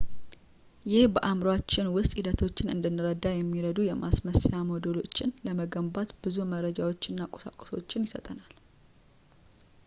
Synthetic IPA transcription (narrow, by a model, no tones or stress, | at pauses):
jɪhbəʔamɾwat͡ʃːɪnwʊst̪ʼid̪ət̪ʰo̞t͡ʃːɪnɨ̰nd̪ɨnːɨɾəd̪ajɛmːiɾəd̪ujɛmʔasməsjamod̪əlo̞t͡ʃːɪnləməɡəmbat̪b̥ɨzuməɾəd͡ʒawo̞t͡ʃːɨnːakʼosa̰kʼoso̞̰t͡ʃːɪnjɪsət̪ʼənal